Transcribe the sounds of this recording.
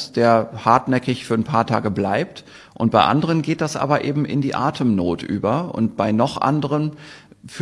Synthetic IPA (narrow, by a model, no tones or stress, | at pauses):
sd̥eːɐhaɐtnɛkɪçfyːɐnpʰaːɐtʰa̰ːɡəblaɪp̚t | ʔʊnt̚b̥aɪʔa̰ndəʁ̞ənɡeːt̚d̥asʔa̰ːbɐʔeːbm̩ʔɪ̰ndiːʔa̰ːtʰəmnoːtʔy̰ːbɐʊ̰ntb̥aɪnɔχʔa̰ndəʁənf